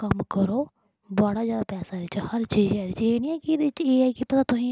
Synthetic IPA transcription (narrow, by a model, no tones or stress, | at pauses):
kəmkəɾoː | baːɽaːzjaːd̪aːpɛːsaːd̪ɪt͡ʃhəɾt͡ʃiːzɛːd̪ɪt͡ʃeːnĩːɛːkɪd̪eɪt͡ʃeːɛːkɪpət̪aːt̪ʊsĩː